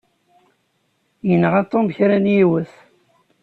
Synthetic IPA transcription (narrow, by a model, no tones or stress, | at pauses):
jənːəʁɑt̪ˤːomçɾænjiwəθ